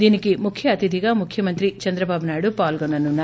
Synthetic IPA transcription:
d̪iːnikimukʰjɐːt̪id̪ʱiɡaːmukʰjɐmɐnt̪ɾit͡ʃɐnd̪ɾɐbaːbunaːjiɽupaːlɡɐnɐnːunːaː

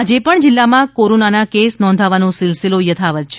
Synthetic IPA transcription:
ad͡ʒepəɳd͡ʒɪlːamãkoɾonanakesnɔ̃nd̪ʱaʋanũsɪlsilojət̪ʰaʋət̪̚t͡ʃʰ

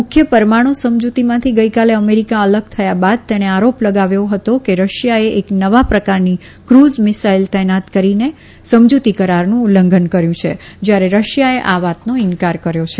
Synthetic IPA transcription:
mʊkʰjəpəɾmaɽ̃õsəmd͡ʒut̪imãt̪ʰiɡəikaleəmeɾikaələɡ̚t̪ʰəjabad̪̚t̪ɛɽ̃eaɾopləɡaʋjoɦət̪okeɾəʃjaeʔeknəʋapɾəkaɾni | kɾuzmɪsailt̪ɛnat̪kəɾine | səmd͡ʒut̪ikəɾaɾnũuləŋɡənkəɾjũt͡ʃʰḛd͡ʒjaɾeɾəʃjaeʔaʋat̪noɪnkaɾkəɾjot͡ʃʰe

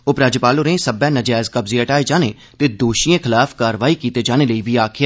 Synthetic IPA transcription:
opɾaːd͡ʒəpaːloːɾẽːsəbɛ̃ːnəd͡ʒaːzkəbziəʈaːed͡ʒaːneː | t̪eːd̪oːʃiːẽkʰɪlaːfʰkaːɾʋaːiːkiːt̪eːd͡ʒaːneːləiːbiːaːkʰɪja

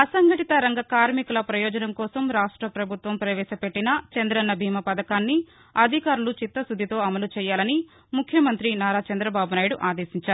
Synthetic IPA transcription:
ɐsɐŋɡɐʈit̪ɐɾɐŋɡɐkaːɾmikulɐpɾɐjɔːd͡ʒɐnɐmkɔːsɐmɾaːʂʈɾɐpɾɐbʱut̪ʋɐmpɾɐʋɛːʃɐpe̞ʈːinɐt͡ʃɐnd̪ɾɐnːɐbʱiːmɐpɐd̪ɐkaːnːi | ɐd̪ʱikaːɾulut͡ʃit̪ːɐsud̪ʱːit̪o̞ːɐmɐlut͡ʃɛːjaːlɐni | mukʰːjɐmɐnt̪ɾinaːɾaːt͡ʃɐnd̪ɾɐbaːbunaːjiɽuʔaːd̪eːsiɲt͡ʃaːɾu

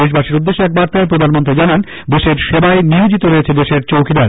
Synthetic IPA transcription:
eʃ̬baʃiɾud̪ːeʃːoɛk̚baɾt̪aep̬ɾod̪ʱanmont̪ɾid͡ʑanan | d̪eʃeɾʃebaeniud͡ʑit̪oɾoet͡ɕʰed̪eʃeɾt͡ɕowkʰid̪aɾ

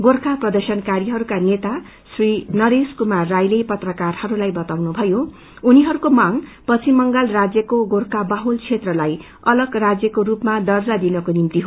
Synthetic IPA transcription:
ɡorkaprʌd̪ʌrsʌnkaɾiɦʌɾukanet̪a | srinʌɾeskumarːajlepʌt̪rʌkarhʌɾulajbʌt̪awnubʱʌjo | uniɦʌɾukomaŋpʌt͡sʰimʌŋɡalrad͡zjʌkoɡorkabaɦult͡sʰet̪rʌlaj | ʌlʌɡrad͡zjʌkoɾupmad̪ʌrd͡zad̪inʌkonimt̪iɦo

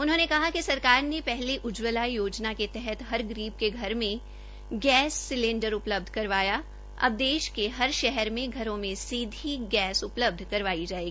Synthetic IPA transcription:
ʊnɦõːnekɐɦakisɐɾkaːɾnepɛɦliʔʊd͡ʒʋəlaijoːd͡ʒnaket̪ɛɦɛt̪ɦɐɾɡɾiːb̚keɡʱɐɾmẽ | ɡɛːsːɪlẽːɳɖəɾʊpləb̚d̪ʱkɐɾʋaːja | ɐ̰b̚d̪eːʃkeɦɐɾʃɛɦɛɾmẽɡʱɐɾõmẽsiːd̪ʱiɡɛːsʊpləb̚d̪ʱkɐɾʋaːid͡ʒaːeːɡiː

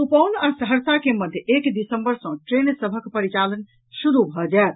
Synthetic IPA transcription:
upəʊnasəɦəɾsakeməd̪ʱjəʔekd̪isəmbəɾsə̃ʈɾensəbʱəkpəɾit͡ʃalən | ʃuɾubʱɔd͡ʒat̪

